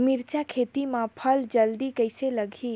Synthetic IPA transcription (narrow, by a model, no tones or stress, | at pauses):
miɾt͡ʃakʰet̪imãpʰəld͡ʒəld̪ikəjseləɡʱi